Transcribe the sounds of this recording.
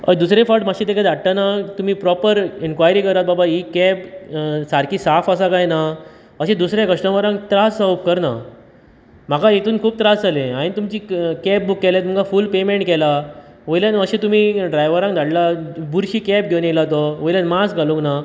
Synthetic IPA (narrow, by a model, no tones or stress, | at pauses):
ə̰jd̪usɾefɔʈmaɕĩt̪ekad̪ʱaɽt̪anat̪um̤iːpɾɔpəɾinkʋajɾiːkəɾat̪̚babaikɛpsaɾkʰiːsafəs̬akajna | əɕẽd̪usɾjakəʂʈə̃ʋəɾãŋɡt̪ɾasawpkəɾna | m̤akaet̪uːnkʰuːb̚t̪ɾasd͡zalẽaɽ̃it̪umt͡ɕiːkɛp̚bukːɛlet̪uməkafuːlpemeɳʈ̚kɛla | ʋəjljanəɕẽt̪um̤iːɖɾajʋəɾãŋɡd̪ʱaɽlabuɾɕiːkɛp̚ɡʱewnelat̪ɔʋəjljanmasɡʱalũŋkna